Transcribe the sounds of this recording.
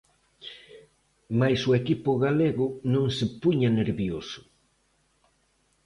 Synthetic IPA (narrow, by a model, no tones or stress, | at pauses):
majsʊekipʊɣaleɣʊnõŋsɪpuɲaneɾβjosʊ̥